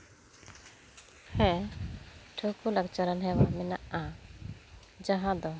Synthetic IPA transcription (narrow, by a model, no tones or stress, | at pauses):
hɛ̃ | ʈʰokulakt͡ʃaɾanɦɛwamɛnaʔa | d͡ʒaɦãd̪ɔ